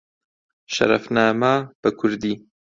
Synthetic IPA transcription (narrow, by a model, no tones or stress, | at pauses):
ʃɐ̰ɾɐ̰fnaːmab̥ɐkʰʊɾd̪iː